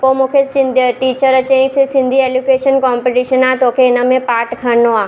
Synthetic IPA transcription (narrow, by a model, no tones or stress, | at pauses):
pomũːkʰesɪ̃nd̪ʈiːt͡ɕəɾt͡ɕẽːssɪ̃nd̪ʱieːljukeːʃənkɔːmpeʈiːʃənaːt̪oːkʰeɪnə̆mẽpaːɾʈkʰəɾnoaː